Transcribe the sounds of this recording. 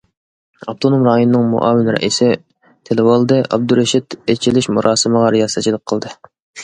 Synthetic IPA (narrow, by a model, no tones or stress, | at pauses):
ɑp̚t̪ʰonomɾɑːjonɨnɨŋmṵʔɑ̰ːwɪnɾɛ̰ʔisɪ | t̪ʰelɪwɑlˠd̪ɨʔɑ̰b̚d̪uɾeʃit̪et͡ʃʰilɪʃmuɾʔɑːsɨməʁɑɾijɑsɑt͡ʃʰilˠəq̚qʰːəlˠd̪ɨ